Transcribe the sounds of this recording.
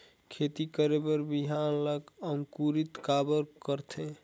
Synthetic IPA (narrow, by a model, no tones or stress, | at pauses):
kʰet̪ikəɾebəɾbiɦanləkəŋkuɾit̪kabəɾkəɾt̪ʰẽ